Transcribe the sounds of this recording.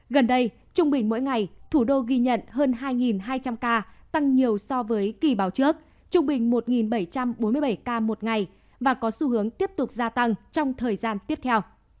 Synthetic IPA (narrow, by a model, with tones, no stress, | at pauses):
ɣə˨˩nɗə˧j | t͡ɕʊ˧ŋ͡mɓï˨˩ŋ̟mo̰˧˥jŋa˨˩jt̪ʰu˧˩ɗo˧ɣi˧ɲə̰˧˨nɦəː˧nɦaː˧jŋi˨˩nɦaː˧jt͡ɕa˧mkaː˧t̪a˧ŋɲi˨˩əwsɔ˧vəː˨˦jki˨˩ɓaː˨˦wt͡ɕɨ˦˥ək̚ | t͡ɕʊ˧ŋ͡mɓï˨˩ŋ̟mo˨˩t̚ŋi˨˩nɓə˧˩jt͡ɕa˧mɓo˨˦nmɨ˧əɓə˧˩jkaː˧mo˨˩t̚ŋa˨˩j | vaː˨˩kɔ˨˦su˧hɨ˨˦əŋt̪i˦˥əp̚t̪ʊ˨˩k͡p̚zaː˧t̪a˧ŋt͡ɕɔ˧wŋ͡mt̪ʰəː˨˩jzaː˧nt̪i˦˥əp̚t̪ʰɛ˧w